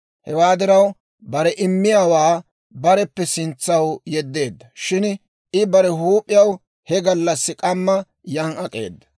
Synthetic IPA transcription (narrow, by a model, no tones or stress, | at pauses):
hɛwaːd̪ɪɾɐw | bɐɾɛʔɪmːɪjaːwaː | bɐɾɛpːɛsɪnt͡sːɐwjɛd̪ːe̞ːd̪ːɐʃɪn | ɪbɐɾɛɦuːpʼːɪjɐw | hɛɡɐlːɐsːɪkʼɐmːɐ | jɐŋɐkʼe̞̰ːd̪ːɐ̥